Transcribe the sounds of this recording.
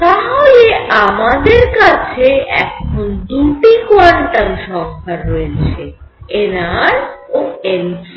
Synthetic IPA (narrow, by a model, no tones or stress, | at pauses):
t̪aɦoleamad̪eɾkat͡ɕʰeɛ̰kʰond̪uʈikwaɾɳʈaŋʃɔŋkʰaɾːoet͡ɕʰe | enaɾoens